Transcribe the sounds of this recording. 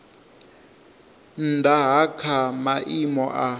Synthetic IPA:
ndʱaɦakʰamaʔimɔʔa

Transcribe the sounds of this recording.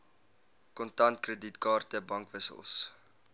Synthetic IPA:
kɔntɐntkrəditkɑːrtəbɐŋkvəsə̰lˠs

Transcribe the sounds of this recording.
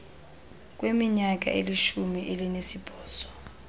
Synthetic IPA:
k̬ʼwemiɲak̬ʼa̰ʔḛliʃumiʔelinesib̥ʱɔːz̥ɔ̥

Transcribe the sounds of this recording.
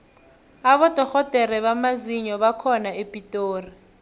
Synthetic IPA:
aβɔtʼɔxɔtʼɛrɛβamaziɲɔβakʰɔnaepʼitʼoːri

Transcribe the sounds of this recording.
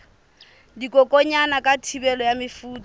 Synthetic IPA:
dikʼɔkʼɔɲanakʼatʰibɛlɔjamɪfuːtʼɔ

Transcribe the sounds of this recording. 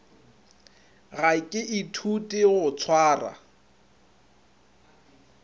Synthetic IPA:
ɣaɪkʼɪʔitʰutʼɪɣʊt͡sʰwaːra̰

